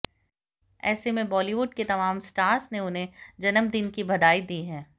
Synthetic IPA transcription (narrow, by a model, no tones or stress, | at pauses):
ɛ̰ːsemẽbɔːliʋʊɖket̪ɐmaːmsʈaːɾsneʊnɦẽd͡ʒɐnəmd̪ɪnkibɐd̪aːid̪iːɦɛː